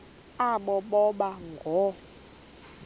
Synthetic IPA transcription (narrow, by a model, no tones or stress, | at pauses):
aɓɔɓɔɓaŋɡʱɔ